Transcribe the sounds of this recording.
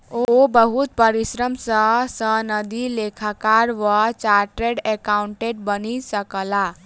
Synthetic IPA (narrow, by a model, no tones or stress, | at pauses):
oobəɦut̪̚pəɾisɾəmsəsənəd̪ilekʰakaɾʋat͡ʃaɾʈɾeɖekauɳʈeʈ̚bənisəkəla